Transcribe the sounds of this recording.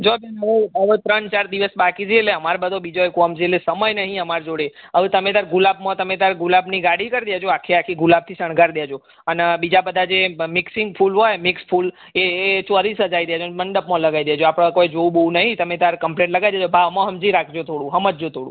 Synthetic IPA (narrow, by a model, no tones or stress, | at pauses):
d͡ʒobenəʋeəʋet̪ɾənt͡ʃaɾd̪iʋəsbakid͡ʒieleəmaɾbəd̪ʱobid͡ʒoekoɦəmd͡ʒielesəməjnəɦĩəmaɾd͡ʒoɽeəʋet̪əmed̪aɾɡulab̚mãt̪əmed̪aɾɡulabniɡaɽikəɾd̪jad͡ʒoakʰiakʰiɡulab̚t̪ʰisəɳ̃ɡʱaɾd̪jad͡ʒo | ənbid͡ʒabəd̪ʱad͡ʒemɪksɪŋɡpʰulɦojmɪkspʰul | eːt͡ʃəɾisəd͡ʒaid̪jad͡ʒoməɳɖəpmõləɡaid̪əjad͡ʒoapɽ̃kojd͡ʒouboũnəɦĩt̪əmed̪aɾkəmplẽʈləɡad̪jad͡ʒobʱaʋmãɦəmd͡ʒiɾakʰd͡ʒot̪ʰoɽũɦəmət̪̚d͡ʒot̪ʰoɽṵ̃